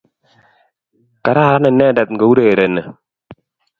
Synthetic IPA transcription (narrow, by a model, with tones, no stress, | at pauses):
ka˨ɾa˦˨ɾa˦nɛ˨nɛ˦˨da˨t̪̚ŋ˨ɡo˨wu˦ɾe˨ɾe˨nə˨